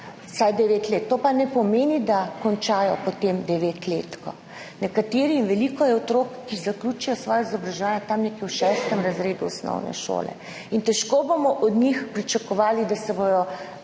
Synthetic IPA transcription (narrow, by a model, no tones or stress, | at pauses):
sajd̪ɛʋeːt̪leːt̪ːoːpanɛpɔmeːnid̪akɔnt͡ʃaːjɔpɔt̪emd̪ɛʋeːt̪leːt̪kɔ̰ | nɛkat̪eːɾiːnʋɛlikɔjɛɔt̪ɾokːizaklʲuːt͡ʃujɔsʋɔjɔizɔbɾaʒɛʋaːnjɛt̪amnekɛwʃɛst̪əmɾazɾeːd̪uɔsnɔ̰wnɛ̰ʃo̰ːlɛ̰ | int̪ɛʃkobomɔʔɔd̪nixpɾit͡ʃakɔʋaːlid̪asɛbod̪ɔ